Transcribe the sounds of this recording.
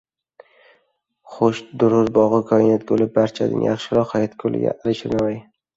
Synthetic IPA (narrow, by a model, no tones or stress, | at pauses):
χʊʃd̪ʊɾʊɾbɒʁɨkʰɒɪnat̪̚kolɪp̚baɾt͡ʃʰad̪ɪ̰nja̰χʃɪɾɒχɒjat̪kʰolɪ̰ɡʲa̰ʔalɪʃɪnamaj